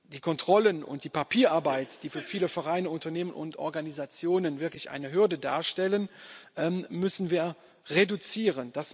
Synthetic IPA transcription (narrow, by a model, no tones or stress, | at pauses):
d̥iːkʰɔntʁ̥ɔlənʊ̰ntd̥iːpapʰiːɐʔaɐbaɪtd̥iːfyːɐfiːləfɛʁ̞aɪnəʊntɐneːmənʊ̰ntʔɔ̰ɐɡanizat͡sjoːnənvɪɐklɪçʔa̰ɪnəɦʏɐdəda̰ːɐʃtɛlənʔɛːmmʏsn̩viːɐ | ʁedut͡siːʁənd̥as